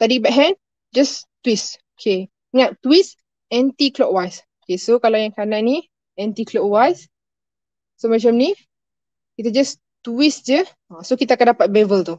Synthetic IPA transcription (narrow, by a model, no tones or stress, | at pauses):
t̪adibɛk̚ɦɛ̃n | d͡ʒast̪wisokʰe | ŋaʔt̪wis | ɛ̃nt̪iklɔkwajsokesokalajãŋkanãʔni | ɛ̃nt̪iklɔk̚wajs | omɛ̃t͡ʃamni | kit̪ad͡ʒas | t̪uisd͡ʒə | ãsokit̪̬akãndapat̪̚bɛvəlt̪u